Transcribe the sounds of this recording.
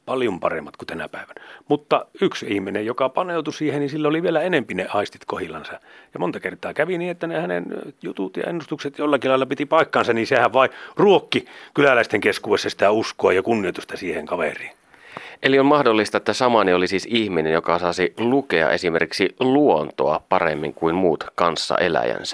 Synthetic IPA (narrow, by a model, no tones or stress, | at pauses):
pɑljompɑ̰rḛmːɑt̪kut̪ænæ̰pæˑeʋænæmut̪ːɑyksihminejjokɑpɑneut̪usiːhenisilːæoliʋielæenempineʔɑist̪it̪kohilːɑnsɑjɑmont̪ɑkert̪ɑːkæʋiniːet̪ːænehænḛnjut̪ut̪jɑ̰ḛnːust̪ukset̪jolːɑkilɑilːɑpit̪ipɑikːɑnsɑnninsehæʋʋɑˑiruokːikylælæist̪eŋkeskuːwesːɑsi̥t̪æuskoɑjɑkunːiot̪ust̪ɑsiːheŋkɑʋḛriːn | ʔeliolmɑhdolːist̪ɑet̪ːæsɑmɑniolisiːsihminenjokɑsɑːsilukeɑ̰ʔesimerkiksiluont̪oɑpɑrḛmːḭŋkuimmuːt̪kɑnsːɑ̰ʔelæ̰jæ̰nsæ̥